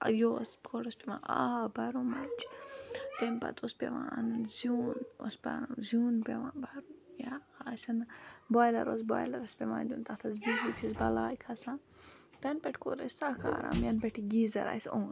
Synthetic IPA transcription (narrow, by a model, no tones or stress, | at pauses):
joːskʰoɾospeʋã̰abɐɾumɐt͡ʃ | t̪enpɐ̰t̪ʰospʲeʋãɐnunzuːnospʲanunzʲuːnpeʋãːbɐɾujaːsɐnboːjlɐ̰ɾosboːjlɐɾɐspʲemãːnd̪ʲuːnt̪ɐt̪ʰɐzbizlipʰisbɐlaːjkʰɐsãn | t̪ɐnpɛʈʰʲkoɾɐsʲsakaːɾa̰mjɐnpɛʈʰiɡizɐ̰ɾa̰sõːn